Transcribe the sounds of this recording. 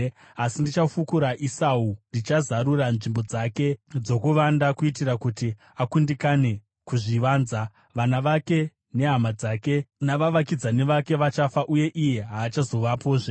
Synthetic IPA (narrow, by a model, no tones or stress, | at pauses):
asindit͡ʃafukuɾaʔisaundit͡ʃazaɾuranʐimbo̞d͡zake̞d͡zo̞kuʋandakuitirakuti | akundikane̞ | kuʐiʋaːnza | ʋanaʋake̞ | ne̞ɦamad͡zake̞naʋaʋakid͡zane̞ʋake̞ʋat͡ʃafaʔuje̞ʔije̞ɦaːt͡ʃazo̞ʋapo̞ːʐe